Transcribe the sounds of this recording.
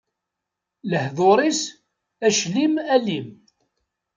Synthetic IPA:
ləhðoɾˤis | æʃlimælim

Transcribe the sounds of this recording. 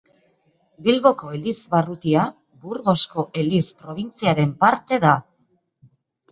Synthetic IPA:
bilβo̞ko̞elizβarut̪ia | buɾɣo̞sko̞ʔe̞lispɾo̞β̞int͡siaɾe̞mpaɾt̪e̞ða

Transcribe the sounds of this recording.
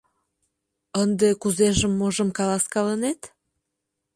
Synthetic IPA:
ənd̪ekuzeʒəmːoʒə̆mkɑlɑskɑlənet̪

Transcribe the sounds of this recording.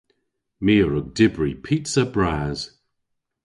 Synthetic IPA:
miːəɹʊɡ̚dɪbɹipʰitsəbɹaːz̥

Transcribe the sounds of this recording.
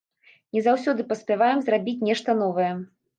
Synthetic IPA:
nʲɛzawsʲɔd̪ɨpɐsʲpʲavajɛmzrabʲit͡sʲnʲɛʂt̪ɐn̪ɔvɐjɛ

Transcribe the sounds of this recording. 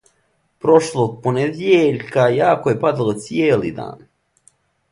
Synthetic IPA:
pɾo̞ʃlˠoːɡ̚poned̪jeʎkajaːkoje̞pad̪alˠot̪sijeːlḭːd̪a̰ːn

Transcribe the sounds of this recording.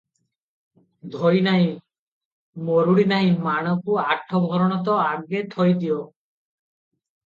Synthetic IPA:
d̪ʱojnaɦĩ | moɾuɽinaĩmaɽ̃ɔkuaʈʰɔbʱɔɾɔɽ̃ɔt̪̬ɔaɡet̪ʰɔjd̪iɔ

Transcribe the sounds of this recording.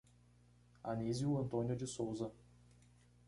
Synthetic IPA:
ɐniziʊɐ̃nt̪õnjʊd͡ʒɪsowzɐ

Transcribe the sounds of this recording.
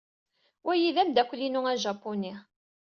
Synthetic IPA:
wʔæjiðæmd̪ækʷːlinuŋæʒɑpːuni

